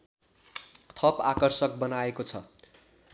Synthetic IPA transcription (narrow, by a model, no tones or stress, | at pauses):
t̪ʰʌpakʌrsʌk̚bʌnaekot͡sʰʌ̰